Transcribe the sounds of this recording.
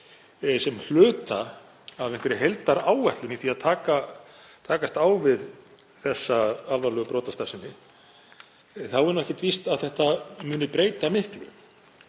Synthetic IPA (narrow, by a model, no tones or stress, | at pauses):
sɛml̥ʏːt̪aː | veŋkvɛɾɪɦejlt̪aɾaːwvɛht̪lɪniθiaðt̪ʰaːka | t̪ʰaːkast̪awvɪð | θɛsːaalvaɾlœːɣʏpɾoːt̪ast̪aɾsɪnːɪ | θawɛɾnɛhcɪt̪vist̪aðθɛht̪amʏːnɪpɾeːjt̪amɪhklʏ̰